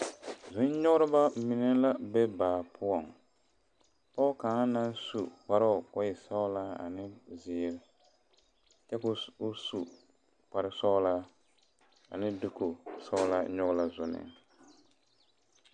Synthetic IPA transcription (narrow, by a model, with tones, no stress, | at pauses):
zʊ˨˦n˦ɲʊ˦ɡʊ˦ɾɨ˦ba˦mi˨nɛ˦la˦bɛ˦baː˨pʰʊ˦ɔ˨ŋ | pɔ˦ʊ˦kaː˨˦na˦n˦su˨k͡pa˦ɾɔ˦˨kɔ˦jɪ˨sa˦ʊ˦la˦a̰˨nɪ˦zɪː˨˦ɾ | t͡ʃɛ˦kʊ˦ʊ˦su˨ | k͡pa˨ɾɪ˦sɔ˦ʊ˦la˦ | a̰˨nɪ˦dʊ˦ko˨sɔ˦ʊ˦la˦ɲɔ˦ɡʊ˦la˦zʊ˨nɪ̰˨